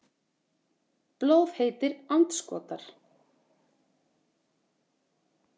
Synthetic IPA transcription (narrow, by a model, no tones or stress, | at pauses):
plowvheːjt̪ɪɾant̪skɔ̰ːt̪aɾ̥